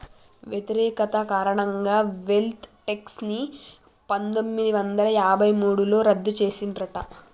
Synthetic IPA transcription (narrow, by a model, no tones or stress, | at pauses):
ʋjet̪iɾɛːkɐt̪ɐkaːɾɐɳɐŋɡaːʋe̞lt̪ʰʈeksni | pɐnt̪o̞mːid̪iʋɐnd̪ɐlɐjaːbʱɐjmuːɽulo̞ːɾɐd̪ːut͡ʃe̞ːsinɖɾɐʈɐ̰